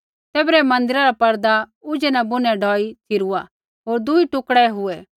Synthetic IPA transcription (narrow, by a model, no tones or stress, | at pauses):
t̪eːbɾɛmɐ̃nd̪ɪɾaɾapɐɾd̪aʊd͡ʒɛnɛ̃bʊnɛ̃ɖʱɔːit̪ʰiɾua | ɦoːɾd̪ʊiʈʊkɽɛɦʊɛ